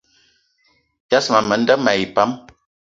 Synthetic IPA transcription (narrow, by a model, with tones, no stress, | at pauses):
d͡ʒa˦sma˨mə˨˦n˦də˦ma˨i˨pa˦m